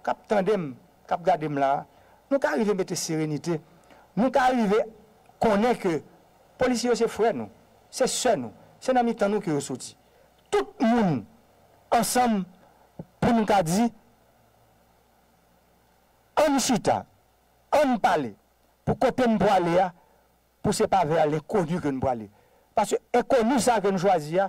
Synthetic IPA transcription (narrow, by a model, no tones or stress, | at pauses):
kap̚t̪ãdem | kap̚ɡadem̩la | nũkaɣivemeteseʁenite | nũkaɣive | kɔ̃nɛ̃kø | polisjejos̬efwɛnṵ̃ | sesɛnṵ̃ | senãmitãnũkøjosoti̥ | tut̚mũn | ʌ̃sʌ̃m | punũkad͡zi | ʌ̃nũʃit̪a̰ | ɐ̃nũpale | pukot̪enũpwalea | pusɛpavɛalɛ̃konykønũpwale | paskøɛ̃konysak̬ønũʃ̬wazia